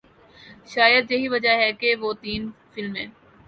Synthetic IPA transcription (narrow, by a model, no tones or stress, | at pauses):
ʃaːjəd̪jɐɦiʋɐd͡ʒaɦɛkeʋoːt̪iːnfɪlmɦɛ̰̃ː